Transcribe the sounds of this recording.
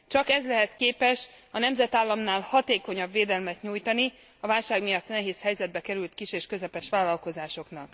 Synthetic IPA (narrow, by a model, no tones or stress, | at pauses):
t͡ʃɒkɛzlɛɦɛt̪keːpɛʃɒnɛmzɛt̪aːlːɒmnaːlhɒt̪eːko̞ɲɒbveːd̪ɛlmɛt̪ɲuːjt̪ɒni | ɒvaːlʃaːɡmijɒt̪nɛɦeːshɛjzɛd̪̚bɛkɛɾylt̪kiʃeːʃkøzɛpɛʃʋaːlːɒlko̞zaːʃo̞knɒk